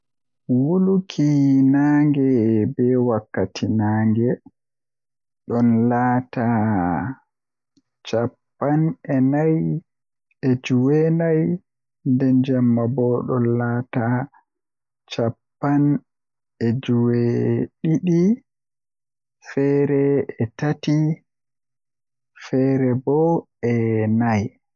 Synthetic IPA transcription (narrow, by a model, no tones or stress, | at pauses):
wulukʰinaːŋɡɛbɛwakːatʰinaːŋɡɛ | ɗɔnlaːta | t͡ʃapːanɛnaj | ɛd͡ʒuwɛnaj | ndɛnd͡ʒamːabɔɗɔnlata | t͡ʃapːan | ɛd͡ʒuwɛɗiɗi | fɛɾɛɛtati | fɛɾɛbɔ | ɛnaj